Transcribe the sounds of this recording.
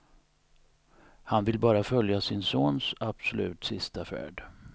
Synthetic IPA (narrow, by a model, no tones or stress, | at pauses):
hanvɪlbɑːɾafœljasɪnsoːnsab̥sɔlʉ̟ːt̪sɪst̪afæ̰ːɖ